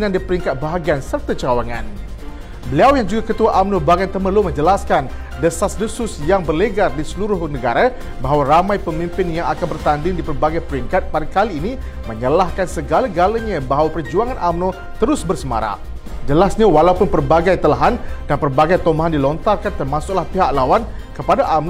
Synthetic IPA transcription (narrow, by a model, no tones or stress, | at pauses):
nandipəɾiŋkat̪̚baɦaɡiansərt̪at͡ʃawaŋan | bəliawjaŋd͡ʒuɡakət̪uaʔamnõbaɡant̪əməlumə̃ɲd͡ʒəlaskan | dəsasdəsʊsjaŋbərləɡardisəluɾʊhnəɡaɾa | baɦawaɾamãjpəmĩmpɪnjaŋakanbərt̪andɪŋdipərbaɡajpəɾiŋkat̪̚padakaliːni | mə̃ɲəlahkansəɡalaɡalaɲabaɦawapərd͡ʒuaŋanʔamnõ | t̪əɾʊsbərsəma̰ɾa̰ | d͡ʒəlasɲawalaupʊnpərbaɡajt̪əlaɦandanpərbaɡajt̪omaɦandilɔnt̪arkant̪ərmasʊk̚lahpiɦaʔ̚lawan | kəpadaʔamn